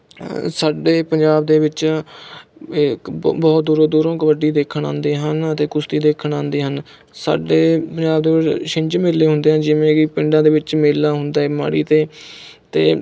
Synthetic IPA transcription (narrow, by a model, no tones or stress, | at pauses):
saːɖeːpəɲd͡ʒaːbd̪eːʋɪt͡ʃ | ɪkbɔːt̪̚d̪uːɾõːd̪uːɾõːkəʋəɖiːd̪eːkʰəɳã̰ːnd̪eːɦənət̪eːkʊst̪iːd̪eːkʰəɳãːnd̪eːɦən | sa̰ːɖeːpəɲd͡ʒaːbd̪eːʋɪʃɪ̃ɲd͡ʒmeːlːeːɦʊ̃nd̪eːɦə̃nd͡ʒɪʋẽːkipɪɳɖãːd̪eːʋɪt͡ʃmeːlːaːɦʊnd̪aːɛːma̰ːɽḭːt̪eːt̪eː